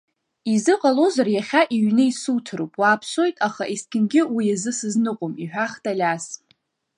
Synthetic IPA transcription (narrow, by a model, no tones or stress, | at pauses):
izɨqʼalozarjaχʲaʔiɥnɨisutʰɨɾopʼwaːpʰso̞jtʼaχaʔiskʲʼɪnɡʲɪwijazɨsɨznɨqʷʼʊmiħʷᶣaχtʰʼalʲas